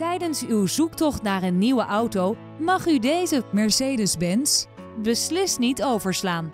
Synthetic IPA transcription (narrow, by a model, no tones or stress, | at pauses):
tɛjdənsywzuktɔχtnaːɹənːiwəʔɑwtow | mɑχydejzəmɛɹsejdəzbɛns | bəslɪstnitowvəɹslaːn